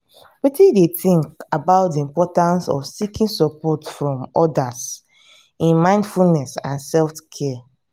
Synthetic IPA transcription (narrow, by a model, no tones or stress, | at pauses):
witĩdetĩŋkabaʊt̚diĩmpɔtãnsɔ̰fsikĩnsɔpɔtfɹɔ̃mɔdas | ĩnmãɪ̃ndfulnɛsãnsɛlftkʰɛ